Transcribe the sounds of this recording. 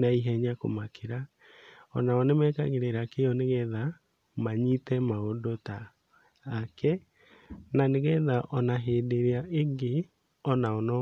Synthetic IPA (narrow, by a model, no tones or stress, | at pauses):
naiɦɛɲakomakʰeɾa | ɔnaɔnemɛka̰ɣeɾeɾakeɔneɣɛða | maɲitɛmaodotaː | kɛ | naneɣɛðaʔɔnaɦeːdeɾeaʔeŋɡe | ɔnaɔnɔ